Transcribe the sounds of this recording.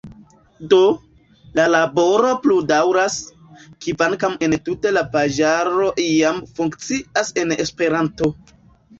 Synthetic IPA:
do̞ | lalabo̞ɾo̞pludawɾas | kivankame̞ntute̞lapad͡ʒaɾo̞ʔiamfuŋkt͡siʔase̞ne̞spe̞ɾanto̞

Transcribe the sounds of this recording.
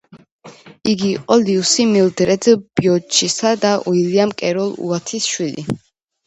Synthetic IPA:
iɡiːqʼɔliusimild̪ɾɛd̪b̥iɔt͡ʃʰʼisad̪aʔuiliamkʼɛɾɔlˠṵat̪ʰisʃwilḭ

